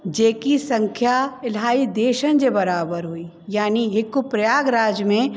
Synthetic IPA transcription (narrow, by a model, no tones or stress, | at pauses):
d͡ʒeːkisɐ̃ŋkʰjaɪlɦaːid̪eːʃənd͡ʒebɐɾaːbəɾɦuiː | jaːniɦɪkʊpɾɐjaːɡɾaːd͡ʒəmẽ